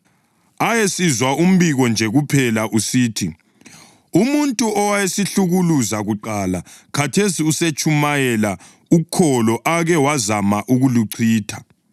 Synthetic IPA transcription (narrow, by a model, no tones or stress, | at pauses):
ajesizwaum̩biɣɔnd͡ʒʱɛɣupʰɛlaʔusiːtʰi | umuntʼuɔwajesiɬuɣuluzaɣuǃalakʰatʰesiuset͡ʃʼumajɛla | ukʰɔlɔʔaɣɛwazamaʔuɣuluǀʰiːtʰa